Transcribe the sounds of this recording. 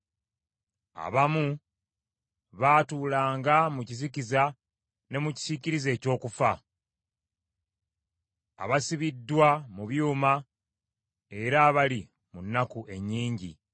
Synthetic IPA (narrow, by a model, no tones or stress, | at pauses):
a̰βamu | βaːtuːlaːŋɡamuciziciza | ne̞muci̥z̥iciɾize̞ːco̞ːkufa | a̰βasiβidːwamuβjuːma | e̞ɾaːβali | munːakuʔe̞ɲːiːɲɟḭ